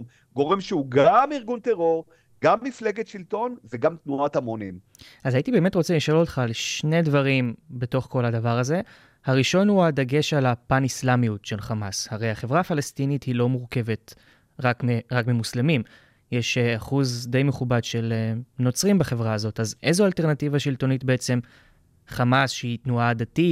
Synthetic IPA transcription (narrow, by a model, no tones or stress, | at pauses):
m | ɡo̞ʁemʃeuɡamiʁɡunt̪eʁo̞ʁ | ɡ̥amːifleɡet̪ʃilt̪o̞nveɡamt̪nuat̪amonim | azaitibe̞ːme̞tʁot͡seliʃolotχalʃne̞dvaʁimbe̞to̞χko̞lhadavaʁaze̞ | haʁiʃo̞nhuad̪aɡe̞ʃalapanislamijutʃelχamashaʁe̞jaχe̞vʁaːfalestinithilo̞muʁke̞ve̞t | ʁakmeʁakmimuslemim | jeʃeaχuzd̪e̞jme̞χubadʃe̞leno̞t͡sʁimbaχe̞vʁaːzo̞tazʔezoalte̞ʁnativaʃilto̞nitbe̞et͡se̞m | χamasʃeitnuad̪ati